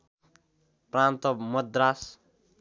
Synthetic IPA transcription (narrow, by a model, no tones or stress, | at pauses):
prant̪ʌmʌd̪ɾas